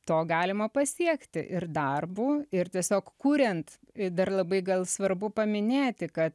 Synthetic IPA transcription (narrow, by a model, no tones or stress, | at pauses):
t̪oːɡɑːlʲɪmɐpɐsʲiɛkt̪ʲɪ̰ʔɪrd̪ɐrbuːɪrt̪ʲiɛsʲoːkkuːɾʲɛnt̪ | d̪ɐrlˠɐbɐɪɡɐlˠsʋɐrbʊpɐmʲɪnʲeːt̪ʲɪkɐt̪